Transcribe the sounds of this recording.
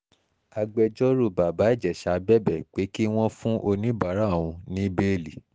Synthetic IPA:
a˧ɡ͡bɛ˧d͡ʒɔ˦ɾu˦˨ba˨ba˨˦i˦˨d͡ʒɛ˨ʃa˧˨˧bɛ˦˨bɛ˦˨k͡pe˨˦ki˦w̃ɔ̃˦fũ˦ʔo˧nĩ˨˦ba˨˦ɾa˦˨w̃ũ˧nĩ˨˦be˦˨li˨

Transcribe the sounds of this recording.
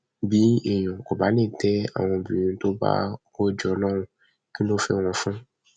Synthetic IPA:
bi˦e˨jɔ̃˨kɔ˨ba˨˦nẽ˦˨t̪ɛ˦a̰˨w̃ɔ̃˧bi˨ũ˨˦t̪o˦ba̰˦ko˦d͡ʒɔ˧nãː˦˨wũ˨ | ki˦nõ˦fɛ˦˨w̃ɔ̃˨fũ˦

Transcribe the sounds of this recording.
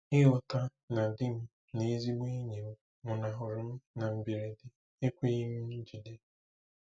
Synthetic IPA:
ɪ˦ɦʊ˨ta˦ | na˨dɪ˦m̩˦ | ni˨˦zi˦m˦e˦ɲe˨m̩˦ | ŋʊ˨na˨ɦʊ˨ɾʊ˨m̩˦na˨m̩˨bi˨ɾe˨dɪ˦ | e˦kʷe˦i˦m̩˦n̩˦d͡ʒi˨de˦

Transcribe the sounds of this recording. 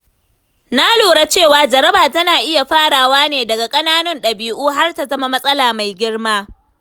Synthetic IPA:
na˦loː˨ɽa˦t͡ʃeː˦˨waː˨d͡ʒɐ˨ɾɐ˦baː˨tɐ˦naː˨ʔɪ˦ja˨ɸaː˦ɽaː˨waː˦neː˨dɐ˨ɡa˨kʼɐ˦naː˦nʊ˦nɗɐ˨biː˦ʔuː˦ɦa˦rta˨zɐ˦ma˦mɐ˦sʼɐ˦laː˨ma˨jɡʲɪ˦rmaː˦

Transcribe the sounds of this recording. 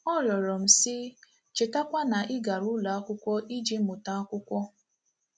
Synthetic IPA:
ɔ˦ɾjɔ˨ɾɔ˨m̩˨sɪ˦ | t͡ʃɪ˨ta˦kʷa˦na˨ʔɪ˦ɡa˨ɾʊ˦la˨a˦kʷʊ˦kʷɔ˦ʔi˦d͡ʒi˦mʊ˨ta˦a˦kʷʊ˦kʷɔ˦

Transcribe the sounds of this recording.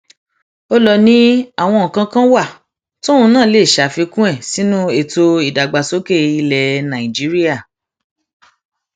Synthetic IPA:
o˦lɔ˧nĩ˦a˦˨w̃ɔ̃˧˨kã˧kã˦wa˦˨ | to˦ũ˧nãː˦˨le˦˨ʃa˨fi˧kũ˦ɛ˦˨si˨˦nũ˦e˦˨to˧i˦˨da˨ɡ͡ba˨so˦ke˦˨i˧lɛ˧nã˨ĩ˨d͡ʒi˨˦ɾi˦a˦˨

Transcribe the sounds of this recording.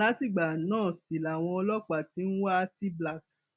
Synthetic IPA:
a˦ti˦˨ɡ͡ba˨˦nãː˦˨si˨la˨w̃ɔ̃˧ɔ˧lɔ˦k͡pa˨ti˨˦n̩˦wa˦˧ti˦bla˦˨k̚

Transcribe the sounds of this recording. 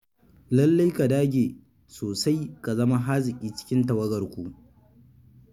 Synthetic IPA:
lɐ˦lːa˦jka˨daː˦ɡʲeː˨ | soː˨sa˦jka˨zɐ˦ma˦ɦaː˦zɪ˨kʲʼiː˦t͡ʃɪ̥˦kʲɪ˦nta˨wɐ˦ɡɐ˨rkʷu˦˨ʔ

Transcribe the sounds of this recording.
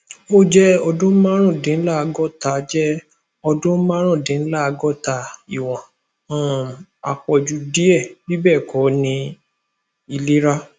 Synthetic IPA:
o˦d͡ʒɛ˦ɔ˧dõ˦mã˦ɾ̃ã˦˨dẽ˨˦la˦˨˧ɡɔ˦˨ta˨˦d͡ʒɛ˦ | ɔ˧dõ˦mã˦ɾ̃ã˦˨dẽ˨˦n̩˦la˦˧ɡɔ˦ta˨i˨w̃ɔ̃˨˦˨ | a˨k͡pɔ˨d͡ʒu˨˧di˦ɛ˦˨bi˦bɛ˦˨kʰɔ˨˦nĩ˧ | i˧le˦ɾa˦

